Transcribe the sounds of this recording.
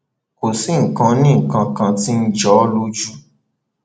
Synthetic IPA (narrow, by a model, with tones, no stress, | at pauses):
ko˨si˨˦ŋ̩˨kã˧nĩ˦ŋ̩˨kã˧kã˧ti˦n̩˦d͡ʒɔ˨˦lo˦d͡ʒu˦